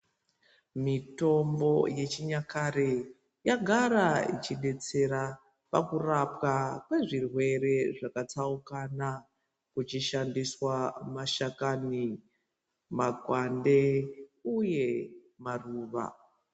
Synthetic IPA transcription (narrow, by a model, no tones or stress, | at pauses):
mito̞mbo̞je̞t͡ʃiɲakaɾe | jaɡʱaɾaḭt͡ʃiɗe̞t͡se̞ɾa | pakurapkakwe̞ʐirwe̞ɾe̞ʐakat͡saukana | kut͡ʃiʃandiswamaʃakani | maɡʱwande̞uje̞ | maruːʋa̰